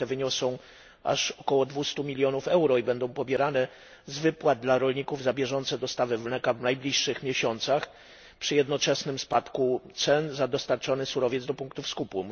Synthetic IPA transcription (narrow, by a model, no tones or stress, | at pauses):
ɛvɘɲɔsɔ̃w̃ | a̰ʂɔkɔwɔd̪vust̪umʲilʲjɔnufɛwɾɔibɛnd̪ɔ̃w̃pɔbʲjɛɾanɛ | zvɘpwad̪̚d̪laɾɔlɲikuvzabʲjɛʐɔnt̪sɛd̪ɔst̪avɘvnɛkavnajblʲiʂːɘxmʲjɛɕɔnt̪sax | pʂɘjɛd̪nɔt͡ʂɛsnɘmspat̪kut̪sɛnzad̪ɔst̪aɾt͡ʂɔnɘsuɾɔvʲjɛd̪zd̪ɔpuŋkt̪ufskupu